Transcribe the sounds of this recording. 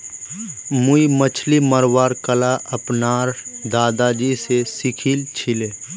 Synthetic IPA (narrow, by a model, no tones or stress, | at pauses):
muimət͡ʃʰliməɾwaːɾkəlaʔəpnaːɾd̪aːd̪ad͡ʒisesikʰiːlt͡ʃʰileː